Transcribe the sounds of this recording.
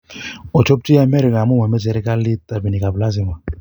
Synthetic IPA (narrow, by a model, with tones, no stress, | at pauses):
ɔ˨t͡ʃɔ˦p̚t͡ʃi˦a˨mɛ˦ɾi˨ka˨mu˦ma˨mɛ˦sɛ˨ɾi˦ka˦li˦ta˨bi˨ni˨ka˨bla˦s̬i˦m˨a˨